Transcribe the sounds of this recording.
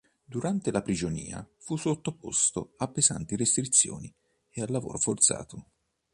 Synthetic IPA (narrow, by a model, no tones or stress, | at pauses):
d̪uɾant̪elapɾid͡ʒonḭːa̰fusot̪ːopo̰st̪oapːeza̰nt̪irest̪ɾit̪sːjo̰ːni | ealːavo̰ːɾofort̪sa̰ːt̪ʰo